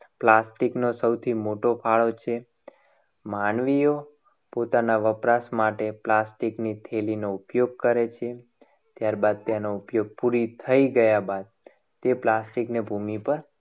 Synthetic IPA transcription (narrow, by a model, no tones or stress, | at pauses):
plasʈiknosəwt̪ʰimoʈopʰaɭot͡ʃʰe | maɳʋijo | pot̪anaʋəpɾasmaʈeplasʈiknit̪ʰelinoupjoɡ̚kəɾet͡ʃʰe | t̪jaɾbad̪̚t̪janoupjoɡ̚puɾit̪ʰəiɡəjabad̪̚ | t̪eplasʈiknebʱumipəɾ